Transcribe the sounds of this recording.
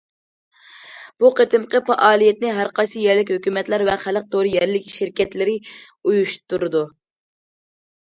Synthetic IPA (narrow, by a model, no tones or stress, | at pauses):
b̥uqet̪ʰɪmqəfɑʔɑːlˠijɛt̪̚nɪɦæɾqɑjsɨjɛɾlɪkʲhøkʲymɛt̪læɾvɛχæləq̚t̪ʰoɾɨjɛɾlɪkʲʃɪɾkʲɛt̪lɪɾɪ | ujuʃt̪uɾɨd̪u